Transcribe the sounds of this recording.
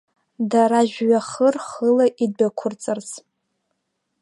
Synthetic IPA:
daɾaʒᶣɥaχərχəlaʔid̚bakʷʰʊrt͡sʼɨrt͡sʰ

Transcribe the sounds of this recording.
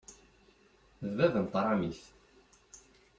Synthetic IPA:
ðvæðənt̪ˤɾˤɑmiθ

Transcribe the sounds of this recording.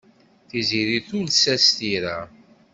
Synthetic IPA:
θiziɾiθʊlsæst̪iɾæ

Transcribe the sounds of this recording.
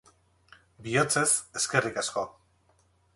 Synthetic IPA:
biot͡se̞seskerikasko̞

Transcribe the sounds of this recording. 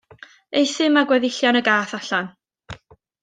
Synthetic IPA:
ejθɪmaɡwɛðɪɬjɔnəɡaːθaɬan

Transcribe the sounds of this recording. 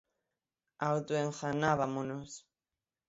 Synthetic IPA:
awt̪ueŋxanaβamonos

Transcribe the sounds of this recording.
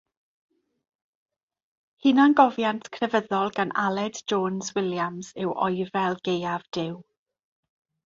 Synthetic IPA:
hɪnanɡɔvjantʰkʰrɛvəðɔlˠɡana̰lˠɛdd͡ʒɔːnzwɪljamz̥ɪwʔɔ̰jvɛlˠɡejavd̥ɪw

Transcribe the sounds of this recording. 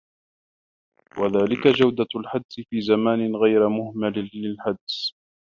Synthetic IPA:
waðaːlɪkad͡ʒawd̪alħad̪sɪfiːzamaːnɪnɣajɾɪmʊhmalːɪlħad̪s

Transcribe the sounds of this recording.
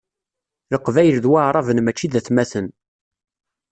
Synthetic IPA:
ləqːvæjəlðwaʕɾˤɑvənmæt͡ʃːiðæθmæθən

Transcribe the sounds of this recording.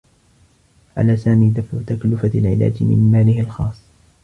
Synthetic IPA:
ʕʔa̰laːsaːmiːd̪afʕʊt̪aklʊfalʕɪla̰ːd͡ʒmɪ̰mmaːlɪhɪlxɑ̰ːsˤː

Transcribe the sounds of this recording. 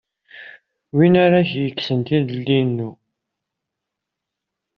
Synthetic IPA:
winaɾaçjəkːsənt̪iðəlːinːu

